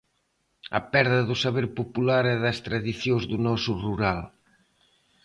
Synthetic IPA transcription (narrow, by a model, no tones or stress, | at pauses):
ɐ̰pɛɾðɐðusaβeɾpopulaɾɛðɐst̪ɾaðiθjozðunɔsuruɾal